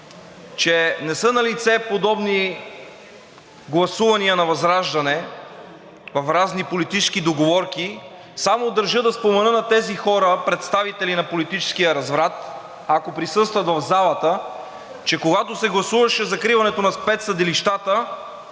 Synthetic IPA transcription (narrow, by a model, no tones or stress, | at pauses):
t͡ʃɛnɛsɤnɐlit̪sɛpod̪ɔbni | ɡlˠɐsuvɐniənɐvɐzɾaʒd̪ɐnɛ | vɐfɾaznipolit̪it͡ʃɛ̥skid̪oɡovɔɾki | samod̪ɐɾʒɤd̪ɐspomɛnɤnɐt̪ɛzixɔɾəpɾɛt̪st̪avit̪ɛlinɐpolit̪it͡ʃɛ̥sk̟ijəɾɐzvɾat̪ | ɐkopɾisɤst̪vɐt̪vɐvzalˠɐt̪ə | t͡ʃɛkoɡat̪osɛɡlˠɐsuvɐʃɛzɐkɾivɐnɛt̪onɐspɛt̪sɐd̪iliʃt̪at̪ə